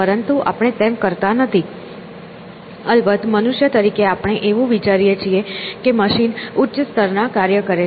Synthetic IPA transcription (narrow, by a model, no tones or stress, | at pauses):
pəɾənt̪uʔa̰pɳ̃et̪ɛmkəɾt̪anət̪ʰi | əlbət̪mənuʃjət̪əɾikeapɳ̃eʔeʋũʋit͡ʃaɾijet͡ʃʰiekeməʃinʊtːʃst̪ʰəɾnakaɾjəkəɾe